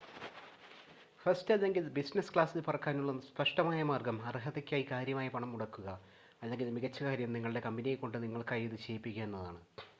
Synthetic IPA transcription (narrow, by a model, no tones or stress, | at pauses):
fɐrstɐðe̞ŋɡilbisnɐskɭaːsilpɐrɐkːaːnuɭːɐspɐʂʈɐmaːjɐmaːrɡɐmɐrɦɐðɐkʲːaːjikaːɾjɐmaːjɐpɐɳɐmuɽɐkːuɣɐ | ɐðeŋɡilmiɣɐt͡ɕːɐkaːɾjɐmniŋːɐɭiɽe̞kɐmbinijeko̞ɳɖɨniŋːɐɭkaːjiðɨt͡ɕe̞ːjipːikʲːɐenːɐða̰ːɳɨ